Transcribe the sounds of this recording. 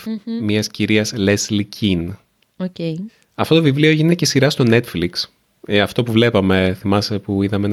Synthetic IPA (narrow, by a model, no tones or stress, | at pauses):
miɐsciɾiɐsleslicʰin | oce | ɐfto̞t̪o̞vivlio̞eʝinecesiɾɐst̪o̞ne̞t̪fliks | ɐft̪o̞puvle̞pɐme̞θimɐsepuiðɐmen